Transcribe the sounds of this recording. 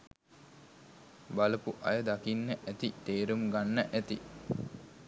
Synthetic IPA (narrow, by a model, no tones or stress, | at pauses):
baləpuʔɐ̰jəd̪akinːəʔæt̪it̪eːɾumɡanːəʔæt̪i